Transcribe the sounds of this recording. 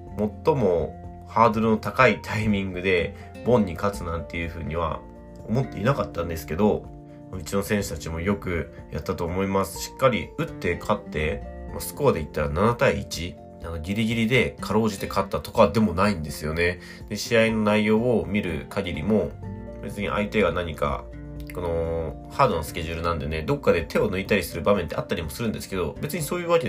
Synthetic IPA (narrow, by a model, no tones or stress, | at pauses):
mo̞t̪ːo̞mo̞ | haːd̪o̞ɾɯno̞t̪akait̪ʰaimʲĩŋɡɯ̟d̪e̞ | bõ̞ɲ̟ːikat͡sɨnãnt̪e̞jɯ̟ɸɯ̟ːɲ̟iβ̞a̰ | omo̞t̪ːe̞̰ḭnakat̪ːãnd̪e̞sɨ̥ke̞d̪o̞ | maɯ̟t͡ɕino̞sẽ̞ɰ̃ɕɨ̥t̪at͡ɕimo̞jo̞kɯ̟ | ja̰t̪ːat̪o̞ːmo̞imasɨ̥ɕi̥kːaɾʲḭɯ̟t̪ːe̞kʰat̪ːe̞masɨ̥ko̞ad̪e̞it̪ːaɾananat̪aiːt͡ɕi | ano̞ɡʲiɾʲiɡʲiɾʲid̪e̞kʰaɾo̞ːʑit̪e̞kʰat̪ːat̪o̞kaβad̪e̞mo̞naĩnd̪e̞sɨjo̞ne̞ | d̪̥e̞ɕiaino̞naijo̞ːomʲiɾɯ̟̰kʰaɡʲiɾʲimo̞ | be̞̰t͡sɨɲ̟ḭʔa̰it̪e̞ɡanaɲ̟ika̰ | ko̞no̞ | haːd̪o̞nosɨ̥kʲe̞ʑɨɾɯ̟nãnd̪e̞ne̞d̪o̞kːad̪e̞t̪e̞o̞nɯit̪aɾʲisɨɾɯ̟bamẽ̞nt̪eat̪ːaɾʲimo̞sɨɾɯ̟̃nd̪e̞sɨ̥ke̞d̪o̞̰be̞t͡sɨɲ̟iso̞ːjɯːβakʲe